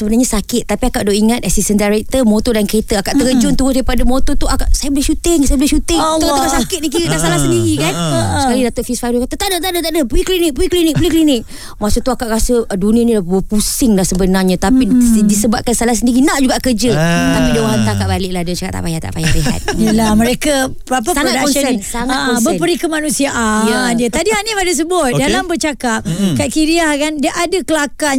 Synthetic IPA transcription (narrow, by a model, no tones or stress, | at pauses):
səbənarɲasakɪt̪̚ːapiakaʔdoʔiŋat̪̚asisəndaɾɛk̚t̪əmot̪odankəɾet̪əakaʔt̪əɾəd͡ʒʊnt̪uɾʊdaɾipadamot̪ot̪uakaʔsajabəlɪhʃut̪ɪŋsajabəlɪhʃut̪ɪŋuukasakɪt̪̚nikiɾəʔd̪asalahsəndiɾikansəkalidat̪ʊʔfisfaɾukat̪ət̪aʔdət̪adət̪aʔdəpɾiklinɪk̚pɾiklinɪk̚bəlɪhklinɪk̚ | masut̪uakaʔɾasədunĩənilabəpusɪŋlahsəbənarɲãt̪apidisəbap̚kansalahs̬əndiɾinaʔd͡ʒuɡaʔkərd͡ʒət̪apidawaɦant̪akaʔbalɪʔ̚lahdət͡ʃaka̰t̪a̰pajat̪a̰ʔpajaliɦa̰t̪̚jəlaməɾekapapasaodaɔnənsaŋat̪ɔbəpəɾikəmanũsiaʔajadiət̪adihanipadas̬əbʊt̪̚dalambərt͡ʃakap̚kaʔkiɾiahkandəʔadakəlaka